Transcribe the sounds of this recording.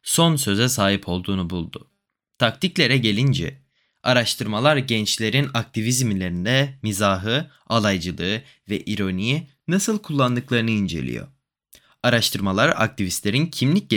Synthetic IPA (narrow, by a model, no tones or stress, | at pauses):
so̞ns̬ø̞zɛsaːɦipʰo̞lˠd̪uːnubulˠd̪ʊ̰ | t̪ʰak̚t̪ʰiclʲe̞ɾɛɟe̞lʲind͡ʒɛ̰ | aɾaʃt̪ʰɯɾmalˠaɾɟɛnt͡ʃlʲe̞ɾinak̚t̪ʰivizmilʲe̞ɾind̪ɛmizaːɦɯ | alˠajd͡ʒɯlˠɯɯ | vɛʔiɾo̞niji | nasɯlˠkʰulˠːand̪ɯklˠaɾɯnɯind͡ʒe̞̰lʲḭjo̞̰ | aɾaʃt̪ʰɯɾmalˠaɾa̰k̚t̪ivist̪lʲe̞ɾincʰimlʲic̚ɟ